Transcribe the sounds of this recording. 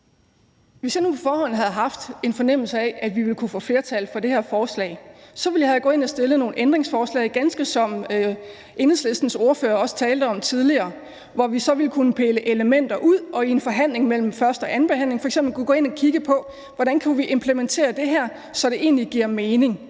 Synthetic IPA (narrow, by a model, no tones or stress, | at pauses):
ʋe̝sjɑ̈ɪnupʰɒ̽fɒːhɒ̽n̰ɦæð̞̩ˠɦɑ̈fd̥e̝nfɒ̽nem̰l̩səæʔæʋiʋe̝lkʰufɔ̰̽ːfle̝ːɐt͡sʰælfɒ̽de̝hæɐfɒːslɛ̰ːɪsɒ̽ʋe̝ljɑhæɡɔ̰̽ːe̝nɒsd̥e̝ləno̝ːn̩ʔend̥ʁe̝ŋsfɒːslɛ̰ɪɡ̥ænsɡ̥əsɒ̽m̰ | ʔe̝nheð̩ˠsle̝sd̥n̩so̝ɐføːɐɒ̽sə̥t͡sʰɛːld̥əɒ̽mt͡sʰið̞ˠliɐː | ʋɒʋisɒ̽ʋe̝lkʰunəpʰeːləʔe̝ləmen̰d̥ɐʔuð̰ˠɒ̽ie̝nfɒ̽ɦæn̰le̝ŋmel̰m̩fɶɐsd̥ɒ̽ʔæn̩b̥e̝hæn̰le̝ŋfɒ̽eɡsemb̥l̩kʰuɡ̥ɔ̰̽ːe̝nɒkʰiɡ̥əpʰɒ̽ | ʋɒɾænkʰuʋiʔe̝mpʰlement͡sʰe̝̰ːɐd̥e̝ɦæɐ̰ | sɒ̽ɾ̥e̝ʔe̝̰ːnliɡ̥iɐ̰meːne̝ŋ